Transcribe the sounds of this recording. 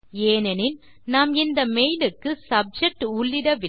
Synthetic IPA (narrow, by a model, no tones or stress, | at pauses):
eːnɛnɪn | naːmɪnd̪ɐmɛjlɯkːɯsɐb̚d͡ʒɛk̚ʈʊɭːɪɽɐʋɪ